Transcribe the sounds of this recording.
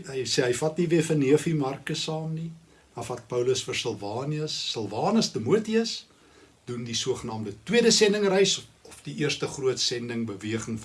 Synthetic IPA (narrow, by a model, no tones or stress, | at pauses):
ɦɐjsɛːɦəjfɐtniviəfənːiəfimɐrkəsɑːmni | ɐfɐt̚pəwləsfərsəlˠvɑːniəsːəlˠvɑːnəstəmuətiəs | d̥undisuəχənɑːmdətwiəɾəsɛndəŋrɛjsɔfdiʔiərstəχruətsɛndəŋbəviəχəŋf